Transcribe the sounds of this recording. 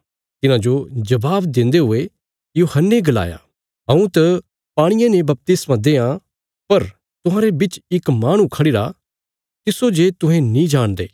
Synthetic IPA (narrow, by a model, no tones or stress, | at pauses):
t̪ɪnãd͡ʒod͡ʒɐbaːbd̪ɪ̃nd̪eɦʊe | joːhɐnːeɡɐla̰ːja̰ː | ɦɐ̃ũt̪ɐ | paːɽ̃ɪjãnebɐp̚t̪ɪsmãd̪eːã | pɐɾ | t̪ʊɦãːɾebɪt͡ʃɪkmaːɽ̃ũkʰɐɽɪɾa | t̪ɪsod͡ʒeːt̪ʊ̃ɦẽnĩd͡ʒaːɽ̃d̪ḛː